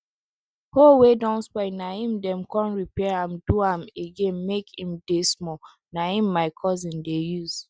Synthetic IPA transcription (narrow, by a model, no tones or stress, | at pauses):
howedãnspɛnaĩmdɛ̃mkɔ̃nɹipɛɹãmduãmeɡẽnmekĩmdesmɔ | naĩmːaɪkʰɔzĩndejuz̥